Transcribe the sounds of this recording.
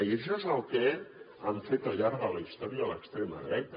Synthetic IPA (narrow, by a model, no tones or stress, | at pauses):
ieʃoezəlˠke | aɱfet̪aʎaɾɣələist̪ɔɾialəkst̪ɾeməðɾɛt̪ə